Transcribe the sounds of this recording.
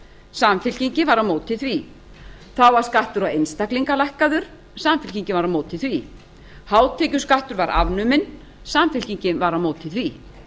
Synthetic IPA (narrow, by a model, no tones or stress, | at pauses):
samfɪl̥ciɲcɪvaɾamoːwt̪ʰɪθvi | θawvaɾ̥skaht̪ʏɾawejnst̪akliŋkalajhkaðʏɾ̥ | samfɪl̥ciɲcɪvaɾamoːwt̪ʰɪθvi | haːwt̪ʰɛːcʏ̥skaht̪ʏɾvaɾʔa̰vnʏmɪn | samfɪl̥ciɲcɪvaɾamoːwt̪ʰɪθvi